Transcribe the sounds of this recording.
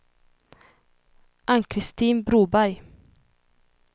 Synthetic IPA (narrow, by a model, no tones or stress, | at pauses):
ʔaŋkʰɾɪst̪iːnbɾuːbæɾj